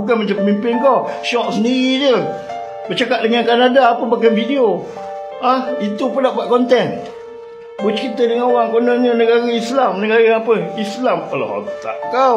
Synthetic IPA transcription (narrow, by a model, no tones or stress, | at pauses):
uk̬anmat͡ʃapəmimpɪnkɔʃɔʔ̚səndiɾid͡ʒə | bət͡ʃakat̪̚dəŋankanadaːpəbak̬anfidio | ahit̪upənaʔbuaʔ̪̚kɔnt̪ɛn | but͡ʃəkit̪ədəŋanowaŋkonəɲənəɡaɾaislamnəɡaɣaapəislampəlo̰ɦo̰t̪a̰ʔka